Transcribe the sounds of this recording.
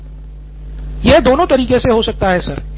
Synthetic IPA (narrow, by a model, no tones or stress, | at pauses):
jɛɦd̪oːnõt̪ɐɾiːkeseɦosɐk̚t̪aɦɛːsɐɾ